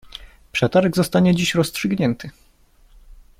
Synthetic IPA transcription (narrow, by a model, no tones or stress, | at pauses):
pʂɛt̪aɾɛɡzɔst̪aɲɛd͡ʑiɕɾɔstʂɘɡɲɛnt̪ʰɘ